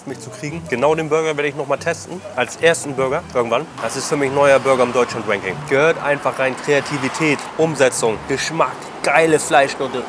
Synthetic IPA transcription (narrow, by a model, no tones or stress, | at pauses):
tmɪçt͡sukʁ̥iːɡŋ̩ɡ̥ənaʊdeːmbʏɐɡɐveɐɾəɪçnɔχmaːltʰɛstn̩ʔalsʔeːɐstn̩bʏɐɡɐʔɪɐɡŋ̩tv̥and̥asɪstfyːɐmɪçnɔʏɐbʏɐɡɐɪmdɔʏt͡ʃʊntʁɛŋkɪŋɡ̥əhøːɐtʔa̰ɪnfaχʁaɪnkʁ̥eatʰiːvitʰɛːtʔʊmzɛt͡sʊŋɡ̥əʃmak | ɡ̥aɪləflaɪʃɡ̥ʊtə